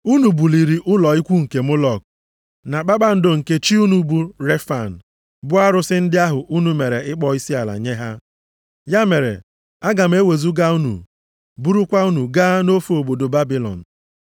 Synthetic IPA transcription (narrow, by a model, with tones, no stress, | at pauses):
u˦nu˨bu˨li˨ɾi˨ʔʊ˦lɔ˨i˦kʷu˦ŋ̩˨ke˨mʊ˦lɔ˨k | na˨k͡pa˦ɓa˦n̩˦do˦˨ŋ̩˨ke˦t͡ʃi˦u˦nu˨bu˦ɾe˦fa˨n̩˨ | bʊ˦a˦ɾʊ˦sɪ˦n̩˦dɪ˦a˦ɦʊ˨ʔu˦nu˨me˨ɾe˨ɪ˦k͡pɔ˦i˦si˦a˨la̰˨ɲe˦ɦa˦ | ja˦me˨ɾḛ˨ | a˦ɡa˨m̩˨˦e˦we˨zu˦ɡa˦u˦nṵ˨ | bu˦ɾu˦kʷa˦u˦nu˨ɡa˦no˦fo˨bo˨do˨ba˦bi˨lɔ̰˨n̩˨